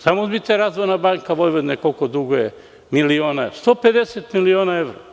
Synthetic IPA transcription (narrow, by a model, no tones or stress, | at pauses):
samobit̪eɾazʋojnabaŋkaʋojʋod̪nekolkod̪uɡoje | milioːnast̪o̞ːped̪eset̪milionaeʋɾo